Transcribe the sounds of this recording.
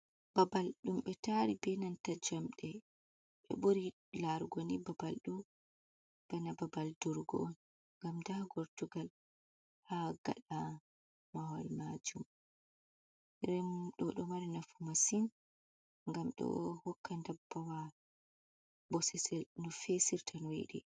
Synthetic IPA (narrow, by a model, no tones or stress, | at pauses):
b̥abalɗumɓɛtaɾibɛnantad͡ʒamɗɛ | ɓɛ̰buɾi | laɾɡonibabalɗu | b̥ɛnababalduɾɡɔ̰ | ŋɡamdahaɡoɾtuɡal | haɡa̰ɗa | mawalmad͡ʒum | ɾɛmɗɔɗɔmaɾinafumasin | ŋɡamɗɔ̰hɔkːandabːawa | bɔsɛsɛlnɔfesiɾtʰanwḛɗḭ